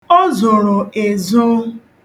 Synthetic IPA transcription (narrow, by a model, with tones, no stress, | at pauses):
o˦zʊ˨ɾʊ˨e˨zʊ˦